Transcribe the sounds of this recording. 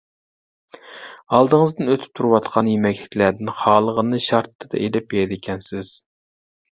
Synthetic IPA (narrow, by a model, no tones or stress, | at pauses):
ɑlˠd̪ɨŋəzd̪ɨnøt̪ʰɪ̥p̚t̪ʰuɾɨwɑt̪qʰɑnjemɛkʲlɪ̥kʲlæɾd̪ɪnχɑːlˠəʁənɨʃɑɾt̪ʰːɨd̪ɑ̰ʔelɪp̚jeɾd̪ɪkʲʰɛnsɪz̥